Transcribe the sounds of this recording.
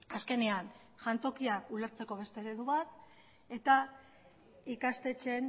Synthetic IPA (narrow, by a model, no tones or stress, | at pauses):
aske̞nean | ʝant̪o̞kiakule̞ɾt͡se̞ko̞β̞e̞st̪e̞ɾeðuβat̪ | e̞t̪a | ikast̪e̞t͡ʃe̞n